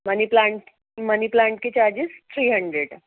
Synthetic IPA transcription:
məniplaɳʈ | məniplaɳʈ̚ket͡ɕaɾd͡ʑest̪ʰɾiːɦəɳɖɾeɖ

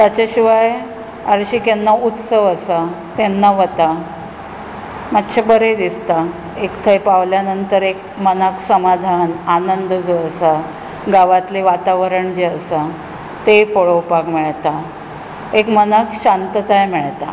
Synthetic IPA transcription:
t̪at͡ɕaɕiʋaj | aɾɕikenːaut̪səʋəsa | t̪enːaʋət̪a | mat̪ːɕabəɾed̪ist̪a | ekt̪ʰəjpaʋljanənt̪əɾek | mənəksəmad̪ʱananənd̪d͡zəəsa | ɡaʋat̪leʋat̪aʋəɾəɳd͡ʑeəsa | t̪epəɭəwpakmɛɭt̪a | ekmənəkɕant̪ət̪ajmɛɭt̪a

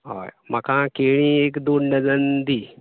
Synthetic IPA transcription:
ɦa̰jmakʰãkeɽ̃iekd̪onːəd͡zənd̪i

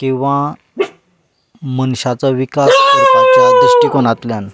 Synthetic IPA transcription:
kĩw̃ʋa | mənɕat͡saʋikasəat͡saːd̪iɕʈikoɽ̃at̪ljan

